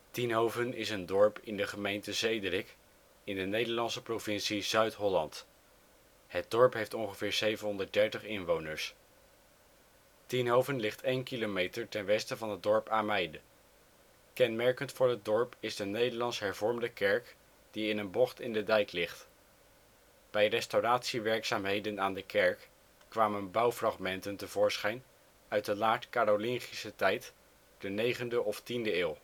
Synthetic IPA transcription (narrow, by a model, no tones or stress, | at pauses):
tinɦowvənɪsəndɔɹpɪndəχəmejntəzejdrɪk | ɪndənejdəɹlɑnsəprovɪnsiz̥œɥtɦɔlɑnt | hət̚dɔɹpɦejftɔŋχəvɪːɹz̥ejvənɦɔndət̚dɛɹtəχɪnʋownəɹs | tinɦowvənlɪχtʰejnkilomejtəɹtɛnʋɛstəvɑnɦəd̚dɔɹpaːmɛjdə | kɛnmɛɹkəntfʊːɹɦəd̚dɔɹpɪzdənejdəlɑnsɦɛɹvɔɹmdəkɛɹk | d̥iɪnənbɔχtɪndədɛjklɪχt | b̥ɛjrɛstowraːtsiʋɛɹksaːmɦejdənaːndəkɛɹk | kʋaːmənbɑwfrɑχmɛntəntəv̥ʊːɹsχɛjn | œɥt̚dəlaːtkaːɾolɪŋχisətɛjt | d̥ənejχəndəʔɔftindəɪːlˠ